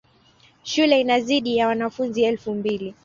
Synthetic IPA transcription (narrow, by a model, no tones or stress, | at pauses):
ʃulɛinaziɗijawanafunziɛlfumbili